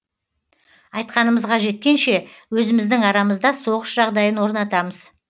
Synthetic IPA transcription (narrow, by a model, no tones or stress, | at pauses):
ɑjt̪qɑnəməzʁɑʒe̞t̪̚kʲe̞nʃe̞wɵzɪmɪzd̪ɪŋɑɾɑməzd̪ɑso̞ʁəʃʒɑʁd̪ɑjənwo̞ɾnɑt̪ɑməz̥